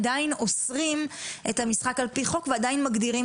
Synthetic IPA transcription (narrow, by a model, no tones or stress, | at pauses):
daino̞sʁimʔe̞thamisχakalpiχo̞kveadainmaɡdiʁim